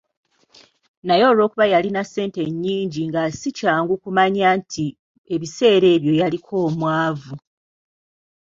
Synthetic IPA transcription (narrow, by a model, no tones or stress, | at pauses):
najo̞ːlo̞ːkuβajalinase̞ːnte̞ɲːiːɲɟiŋɡasicaːŋɡukumaɲaːntʰi | e̞βise̞ːɾe̞ːβjo̞jalikʰo̞ːmwaːvu